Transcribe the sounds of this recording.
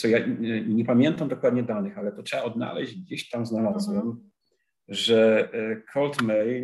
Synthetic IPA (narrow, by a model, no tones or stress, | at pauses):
sɔjaɲɛpamʲjɛnt̪amd̪ɔkwad̪ɲɛd̪anɘxalɛt̪ɔtʂɛbaɔd̪na̰lɛ̰ʑd͡ʑɡ̚d͡ʑeɕt̪amznalazwɛm | ʐɛkʰɔlt̪mɛj